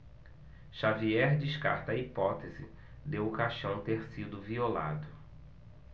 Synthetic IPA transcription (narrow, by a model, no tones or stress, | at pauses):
ʃaviɛɾd͡ʒiʃka̰ɾt̪ɐipɔt̪ezɪ̰ | d̪ewʊkaʃɐ̃w̃t̪eɾsid̪ʊviola̰d̪ʊ